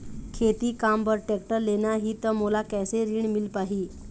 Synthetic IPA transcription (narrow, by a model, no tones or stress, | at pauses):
kʰet̪iːkambəɾʈek̚ʈəɾlenaɦiːt̪əmolakɛjseɾiɳmilpaɦiː